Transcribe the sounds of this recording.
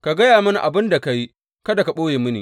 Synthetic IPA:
ka˨ɡɐ˦jaː˨mɐ˦na̰˨ʔa̰˨bɪ˦nda˨ka˨ji˦ | kɐ˦da˨ka˨ɓoː˦jeː˨mʊ˦nḭ˨

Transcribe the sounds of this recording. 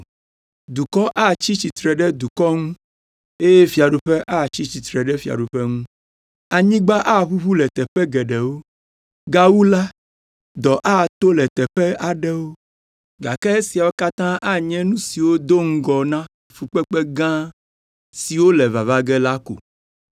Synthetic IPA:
d̪u˨kɔ˦ʔa˦˨t͡ɕi˦t͡ɕi˨t̪ɾɛ˨ɖɛ˦d̪u˨kɔ˦ŋũ˦ | e˦jɛ˦fi˨a˨ɖu˨ɸɛ˦ʔa˦˨t͡ɕi˦t͡ɕi˨t̪ɾɛ˨ɖɛ˦fi˨a̰˨ɖu˨ɸɛ˦ŋũ˦ | a˨ɲĩ˦ɡ͡ba˦ʔa˦βu˦βu˦lɛ˨t̪ɛ˨ɸɛ˦ɡɛ˨ɖɛ˨wo˦ | ɡa˦wu˦la˦ | d̪ɔ˨ʔa˦˨t̪o˦lɛ˨t̪ɛ˨ɸɛ˦a˨ɖɛ˦wo˦ | ɡa˨kɛ˦e˦si˨a˨wo˦ka˦t̪ã˦ʔa˦ɲɛ̃˦nũ˦si˨wo˦d̪o˦ŋ̩˦ɡɔ˨nã˦ | fu˨k͡pɛ˦k͡pɛ˦ɡã˦ | si˨wo˦lɛ˨va˨va˦ɡɛ˦la˦ko̰˨

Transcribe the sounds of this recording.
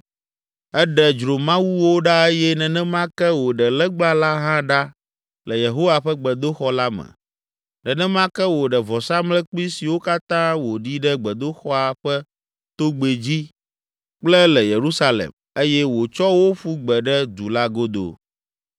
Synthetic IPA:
ɛ˦ɖɛ˨d͡ʒɾo˨mã˦wu˦wo˦ɖa˦e˦jɛ˦nɛ̃˨nɛ̃˦mã˦kɛ˦wo˨ɖɛ˨lɛ˦ɡ͡bla˦la˦ɦã˦ɖa˦ | lɛ˨je˨ɦo˦wa˨ɸɛ˦ɡ͡bɛ˨d̪o˦xɔ˦la˦mɛ̰̃˨ | nɛ̃˨nɛ̃˦m˦ã˦kɛ˦wo˨ɖɛ˨vɔ˨sa˦mlɛ˦k͡pi˦si˨wo˦ka˦t̪ã˦wo˨ɖi˦ɖɛ˦ɡ͡bɛ˨d̪o˦xɔ˦a˨ɸɛ˦ | t̪o˦ɡ͡be˨d͡ʑi˦ | k͡plɛ˦lɛ˨je˨ɾu˦sa˦lḛ˨m | e˦jɛ˦wo˨t͡ʃɔ˦wo˦ɸu˦ɡ͡bɛ˨ɖɛ˦d̪u˨la˦ɡo˦d̪o̰˨

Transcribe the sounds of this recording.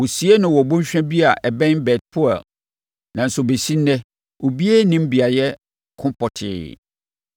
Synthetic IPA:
wo˨si˨˦e˦nʊ̃˨wɔ˨bõ˦ɲ˦ɕᶣɛ̃˦bi˦a˨ʔɛ˨bɛ̃˦nbɛ˨t̚pʰʊ˦a̰˨l | nã˨n̩˨sʊ˨be˨si˦n˦nɛ̃˦ | o˨bi˦e˦nĩ˦m˦bi˨a˨jɛ˦ | kʰʊ̃˦pɔ˨tʰɪ̰˨

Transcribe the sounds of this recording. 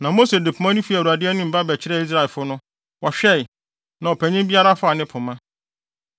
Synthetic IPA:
nã˨mo˦se˨de˨pʰu˨mã˦nʊ̃˦fi˦æ˨u˨a˨dɪ˦ɛ˦nɪ̃˦m̩˨ba˦bɛ˨t͡ɕʰɪ˦ɾɛ˦˨i˦s̬ɾa˨ɛ˨fʊ˦nʊ̃˦ | wɔ˨ɕᶣɛ˦˨ɪ˨ | nã˨ɔ˨pʰæ˨ɲɪ̃˦mbi˦a˦ɾa˦fʊ˦a˨nɪ̃˦pʰʊ̃˨mã˦

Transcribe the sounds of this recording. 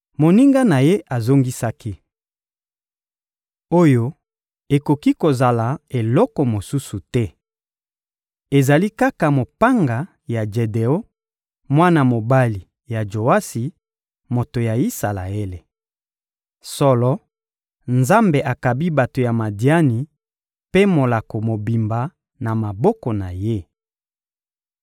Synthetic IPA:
mo˨ni˦ŋɡa˦na˨je˦ʔa˨zo˦ŋɡi˦sa˦ki˦ | o˦jo˦ | e˨ko˨ki˦ko˨za˨la˨e˨lɔ˦kɔ˨mo˨su˦su˨tɛ˦ | e˨za˨li˦ka˦ka˨mo˨pa˦ŋɡa˨ | ja˨d͡ʒe˨de˨o˦ | mwa˦na˨mo˨ba˦li˨ | ja˨d͡ʒo˨a˦si˨ | mo˨to˨ja˨i˦sa˨la̰˨e˦le˨ | sɔ˦lɔ˦ | nza˦mbe˨ʔa˨ka˨bi˦ba˨to˨ja˨ma˨di˨˦a˦ni˨ | pe˦mo˨la˨ko˨mo˨bi˨mba˨ | na˨ma˨bɔ˦kɔ˨na˨je˦

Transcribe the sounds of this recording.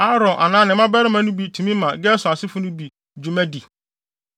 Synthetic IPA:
a˦ɾɔ̃˨ʔa˨nãː˦nɪ̃˨mã˦bɛ˦ɾɪ˦mã˦nʊ̃˦bi˨tʰũ˨mĩ˦mã˨ɡɛ˦sʊ˨a˨sɪ˦fʊ˦nʊ̃˦bi˨ | d͡ʒu˨mɛ̃˦di˨

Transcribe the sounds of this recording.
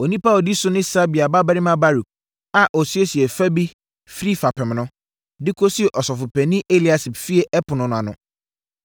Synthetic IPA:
o˨nĩ˦pa˦o˨di˦sʊ˦nɪ̃˦sa˦bi˨a˨ba˦ba˦ɾɪ˦mã˦ba˦ɾu˨k̚ | a˨ʔɔ˨si˦e˦si˨e˨fa˦bi˦ | fɾi˦fa˨pʰɛ˨m˨nʊ̃˦ | dɪ˦kʰo˦si˦e˨ʔɔ˨sɔ˨fʊ˨pʰɛ˨nɪ̃˦ʔe˦li˨a˨si˨bfi˦e˨ʔɛ˦pʰʊ˨nʊ̃˨˦nʊ̃˨a˨nʊ̃˨

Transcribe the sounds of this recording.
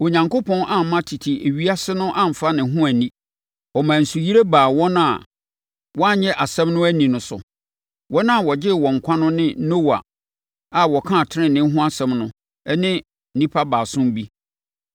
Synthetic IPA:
o˨ɲã˨ŋkʰo˦pʰɔ̃˦nʔã˦m˨mã˦tʰi˨tʰi˨ʔe˨ɥi˦a˦sɪ˦nʊ̃˦ʔã˦m̩˨fa˦nɪ̃˨˦ɦʊ̃˦æ˨nĩ˦ | ɔ˨mã˨n̩˨su˨ji˦ɾe˦baː˨wɔ˦nã˦˨ | wɔ˦a˦ɲɛ̃˦ʔa˨sɛ̃˦mnʊ̃˦æ˦nĩ˨nʊ̃˨sʊ̰˨ | wɔ˦nã˦˨wɔ˨d͡ʑɪ˦˨wɔ̃˨ŋ̩˨kʷʰã˦nʊ̃˦nɪ̃˦no˦wa̰˨ | a˨wɔ˨kʰã˦˨tʰɪ˦ɾɪ̃˦˨nɪ̃˦ɦʊ̃˦a˦sɛ̃˨mnʊ̃˦ | ɛ˦nɪ̃˦ | nĩ˦pʰa˦baː˨sʊ̃˦mbi˦

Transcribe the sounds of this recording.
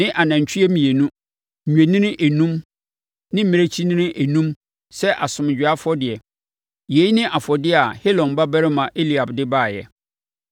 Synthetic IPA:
nɪ̃˦ʔa˨nã˨ɲ˨t͡ɕʰᶣi˦ɛ˦mĩ˨e˨nũ˦˨ | ɲᶣ˨æ̃˨nɪ̃˦nɪ̃˦ʔæ˨nũ˦m | nɪ̃˦m̩˦mɪ̃˦ɾe˦t͡ɕʰi˦nɪ̃˦nɪ̃˦ʔæ˨nũ˦m | sɛ˦ʔa˨sʊ̃˨m˨d͡ʑᶣɪ˨a˦fɔ˦dɪ˨ɛ˨ | je˨˦i˦nɪ̃˦ʔa˨fɔ˨dɪ˦a˨he˦lɔ̃˨nba˦bæ˦ɾɪ˦mã˨ʔe˦li˨a˨bdɪ˦baː˦˨jɛ̰˨

